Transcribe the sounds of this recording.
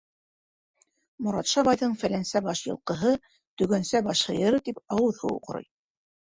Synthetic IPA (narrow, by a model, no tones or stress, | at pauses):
mŏɾɑt̪ʃɑβɑjðɤɴfælænsæbɑʃjɤ̰̆lˠqɤ̆ɦɤ | t̪ɵ̆ɡænsæbɑʃhɤ̆jɤ̆ɾɤt̪ipɑwɤðhṵwqŏɾɤ̰j